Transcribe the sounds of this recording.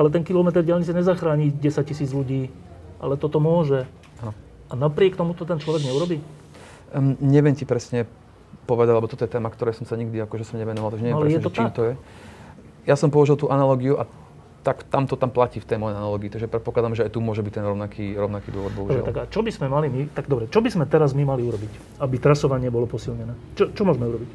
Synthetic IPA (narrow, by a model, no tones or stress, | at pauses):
alɛt̪ɛnkilɔmɛt̪ɛɾɟɪalɲit͡saɲɛzaxɾaːɲiɟɛsac̚cisiːd͡zʎuɟiː | ʔa̰lɛt̪ɔt̪ɔmʊɔʒɛ | anɔ | anapɾɪɛkt̪ɔmut̪ɔt̪ɛnt͡ʃlɔʋɛɡɲɛuɾɔbiː | ɲɛʋɪjɛmcipɾɛsɲɛ | pɔʋɛd̪aɟlɛbɔt̪ɔt̪ɔjɛt̪ɛːmakt̪ɔɾɛːsɔmsaɲiɡd̪iakɔʒɛsɔmɲɛʋɛnɔʋalˠt̪aɡʒɛɲɛjɛalɾɛjɛt̪ɔtt͡ʃimt̪ɔjɛ | jasɔmpɔɔʒilt̪uːʔanalɔːɡiuʔa | t̪akt̪amt̪ɔt̪amplaciːft̪ɛjmɔjɛanalɔːɡiːt̪aɡʒɛpɾɛt̪pɔklad̪amʒɛajt̪umʊɔʒɛbic̚t̪ɛnɾɔʊnakʰiːɾɔʊnakiːd̪ʊɔʋɔd̪bɔɦudʒɾaɛ̰t̪aɡat͡ʃɔbizmɛmalimit̪aɡd̪ɔbɾɛt͡ʃɔbizmɛt̪ɛɾazmimaliuɾɔbic | abit̪ɾasɔʋaɲɪɛbɔlɔpɔsilɲɛnɛːt͡ʃɔt͡ʃɔmʊɔʒmɛuɾɔbic